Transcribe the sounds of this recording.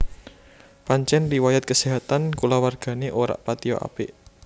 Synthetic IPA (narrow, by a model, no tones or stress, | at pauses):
paɲt͡ʃɛnriwajat̪̚kəseɦat̪ankulawarɡ̥ä̤neʔoɾa̰ʔpat̪iɔ̰ʔa̰peʔ